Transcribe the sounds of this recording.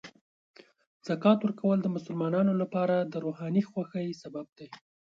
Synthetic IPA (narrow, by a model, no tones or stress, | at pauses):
z̥akɑt̪wəɾkawəld̪əmʊsəlmɑnɑnolapɑɾad̪əɾohɑnixwaxəjsabab̚d̪̥aj